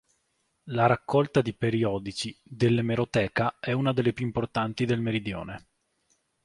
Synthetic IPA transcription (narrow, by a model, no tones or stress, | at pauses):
laɾakːɔlt̪ad̪ipeɾiɔːd̪it͡ʃid̪elːemeɾot̪ɛːkaɛunad̪elːepjuimport̪ant̪id̪elmeɾid̪jo̰ːne